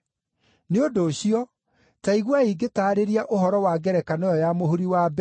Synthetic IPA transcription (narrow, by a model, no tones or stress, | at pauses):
neodoːɕiɔ | taiɣwaiɡetaːɾeɾiaʔoɦɔɾɔwaɡɛɾɛkanɔjɔjamohuɾiwabɛ